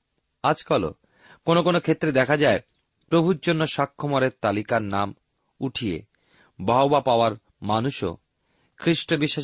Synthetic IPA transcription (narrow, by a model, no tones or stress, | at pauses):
ad͡ʑkalo̰ | konokonokʰet̪ːɾed̪ɛkʰad͡ʑae | pɾobʱuɾd͡ʑonːoʃakʰːomaɾeɾt̪alikaɾnam | uʈʰiḛ | bʱaobapaoaɾ | manuʃo̰ | kɾiʃʈobiʃːa